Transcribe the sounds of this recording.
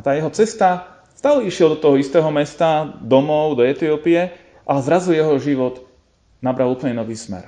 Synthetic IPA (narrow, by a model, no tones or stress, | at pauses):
at̪aːjɛɦɔt͡sɛst̪a | st̪aːlɛiʃɪɛld̪ɔt̪ɔɦɔist̪ɛːɦɔmɛst̪ad̪ɔmɔʊd̪ɔɛt̪iɔpiɛ | ʔaɛzɾazujɛɦɔʒiʋɔd̪ | nabɾʔalˠuːpl̩ɲɛnɔʋiːsmɛ̰ɾ